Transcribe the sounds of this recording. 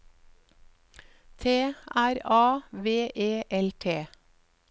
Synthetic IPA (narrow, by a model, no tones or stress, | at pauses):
t̪ʰeːʔæɾɑːʋeːʔeːʔɛlt̪ʰeː